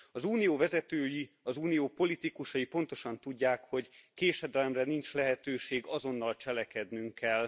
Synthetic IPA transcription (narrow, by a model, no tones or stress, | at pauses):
ɒzuːnijoːvɛzɛt̪øːji | ɒzuːnijoːpo̞lit̪ikuʃɒjipo̞nt̪o̞ʃɒnt̪uɟːaːkho̞ɟkeːʃɛd̪ɛlɛmrɛnint͡ʃlɛɦɛt̪øːʃeːɡɒzo̞nːɒlt͡ʃɛlɛkɛd̪nyŋkɛl